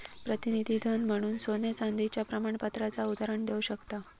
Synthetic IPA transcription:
pɾət̪inid̪ʱiːd̪ʱənm̤əɽ̃uːnsonjet͡sand̪ʱit͡ɕjapɾəmaɳpat̪ɾat͡saud̪aɾəɳd̪euɕəkt̪a

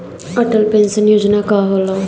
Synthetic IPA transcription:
əʈəlpẽnsənjoːd͡ʒnaːkaːɦolaː

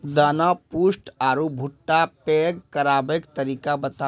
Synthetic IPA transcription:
d̪aːnapuːsʈaːɾubʱʊʈːapeːɡkɐɾaːbekt̪ɐɾiːkabɐt̪a

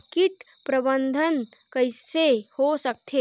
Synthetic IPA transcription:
kiʈ | pɾəbənd̪ʱən | kəjsehosək̚t̪ʰe

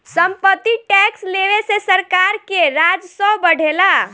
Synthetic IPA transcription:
səmpət̪ːiʈɛksleʋesesəɾkaɾkeɾad͡ʒsɔ̃bəɽ̤ʱela

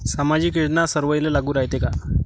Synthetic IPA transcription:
samad͡ʑiːkiɽnasəɾʋəjlelaɡuːɾaɦit̪eka

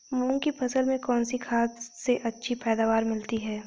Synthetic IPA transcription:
mũːŋkipʰɐsəlmẽkɔːnsikʰaːt̪seʔɐtːʃʰipɛːd̪aːʋaːɾmɪlt̪iɦɛː

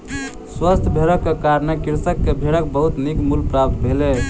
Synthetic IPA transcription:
swəst̪ʰbʱeɾəkːekaɾnekiɾsəkːebʱeɾək̚bəɦut̪nikmulpɾap̚t̪bʱelɛ

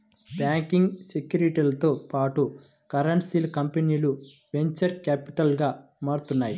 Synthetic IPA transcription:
baːŋkiŋɡsekjuːɾiʈiːlɐt̪oːpaːʈu | kɐɾɐɳʈsilɐkɐmpeniːlu | ʋe̞ɲt͡ʃɐɾkaːpiʈɐlɡaːmaːɽut̪unːaːji

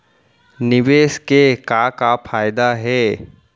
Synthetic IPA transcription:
nɪʋeːʃkekakapʰaːjd̪aɦɛː

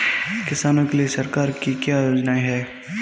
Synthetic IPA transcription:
kɪsaːnõkeliesɐɾkaːɾkikjaːjoːd͡ʒnaɦɛː

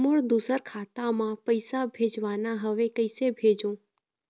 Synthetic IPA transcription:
moɭd̪usəɾkʰat̪amãpəjsabʱed͡ʒʋanaɦəʋekəjsebʱed͡ʒõ

